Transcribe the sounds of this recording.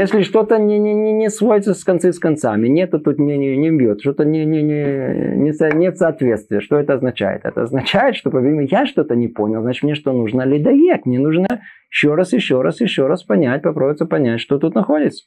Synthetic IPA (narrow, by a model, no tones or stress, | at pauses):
jesʲlʲɪʂt̪o̞t̪ənʲɪnʲɪnʲɪnʲɪsvoɾʲɪt̪səsʲkɐnt̪sɨskɐnt̪samʲɪnʲet̪ot̪ut̪nʲɪnʲɪmbʲjot̪ʂt̪ot̪ənʲɪnʲɪnʲɪnʲɪsənʲet̪sɐɐt̪vʲe̞t̪st̪vʲɪjəʂt̪oɛt̪əɐznɐt͡ɕæ̰jɪ̰t̪ɛ̰t̪ə̰ɐznɐt͡ɕæjɪt̪ʂt̪o̞pəvʲimjaʂt̪o̞t̪ənʲɪponʲɪlˠznat͡ɕɪt̪mnʲeʂt̪onuʐnəlʲɪd̪ɐjekmnʲenuʐnə | ɪɕːoɾasjɪɕːoɾasjɪɕːoɾaspɐnʲætʲpɐpɾobɪtsəpɐnʲætʲʂt̪ot̪ut̪nɐxo̞dʲɪt̪sə̥